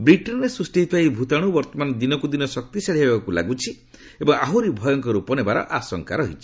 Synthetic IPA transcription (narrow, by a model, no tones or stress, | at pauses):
bɾiʈɔnɾesɾusʈit̪aibʱut̪aɽ̃ubɔɾt̪ɔmanɔd̪inɔkud̪inɔsɔk̚t̪isaɭiebakula̰ɡut͡ʃʰi | ebɔŋaɦuɾibʱɔjɔŋkɔɾupɔnebaɾɔ̰ʔasɔŋkaɾɔɦit͡ʃʰi̥